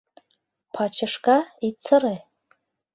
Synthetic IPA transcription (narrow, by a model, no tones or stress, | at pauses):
pʰat͡ʃʰaʂkʼait͡sʰɨrej